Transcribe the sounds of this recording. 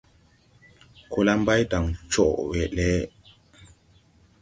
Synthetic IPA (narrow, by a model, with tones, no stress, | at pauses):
ko˦la˦m˦ba˦jta˨ŋt͡ʃɔ˦˨ʔwɛ˨ʔlɛ˦